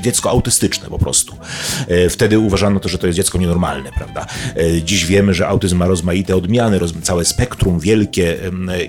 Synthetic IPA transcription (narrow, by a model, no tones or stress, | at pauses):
d͡ʑɛt̪skɔawt̪ɘst̪ɘt͡ʂnɛ̰pɔpɾɔ̰st̪u̥ | ft̪ɛd̪ɘuvaʐanɔt̪ɔʐɛt̪ɔjɛsd͡ʑɛt̪skɔɲɛnɔɾma̰lnɛpɾa̰vd̪ad͡ʑiɕvʲjɛmɘʐɛʔawt̪ɘzmːaɾɔzmajit̪ɛɔd̪mʲjanɘɾɔzt̪sawɛspɛkt̪ɾumvʲjɛlkʲɛ